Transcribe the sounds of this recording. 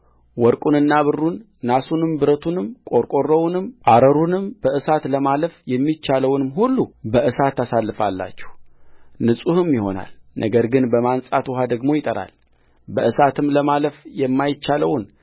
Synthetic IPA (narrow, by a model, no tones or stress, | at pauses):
wɔɾkʼunɨnːaβɨrːunː | asunɨmbɨɾət̪ʰunɨmkʼo̞ɾkʼo̞rːəwunɨmʔaɾəɾunɨmb̥əʔɨsat̪ləmaləfjɛmːit͡ʃːaləwnɨmɦulːubəʔɨsat̪ːasalːɨfa̰lːa̰t͡ʃːɛ̥hnɨsʼuhɨmjɪho̞̰na̰lnʔə̰ɡəɾɡɨnbəmansʼat̪wɔɦad̪əɡmo̞jɪt̪ʼəɾa̰l | bəʔɨsat̪ʰɨmləmaləfjɛmːajɪt͡ʃːaləwn